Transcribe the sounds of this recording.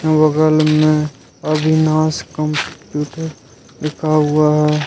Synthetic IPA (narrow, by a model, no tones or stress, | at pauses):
ʋəɡəlmẽ | əbʱinãːskə̃mpkjuːʈ | d̪ɪkʰaɦʊaɦɛː